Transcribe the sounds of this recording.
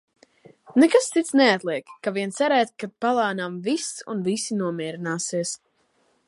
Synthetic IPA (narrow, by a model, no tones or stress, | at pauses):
nɛkast̪it̪snɛat̪lˠiɛkːaviɛnt̪sɛɾɛːt̪̚kad̪̚palˠaːnamvisṵnvisinuɔmiɛɾinaːsiɛs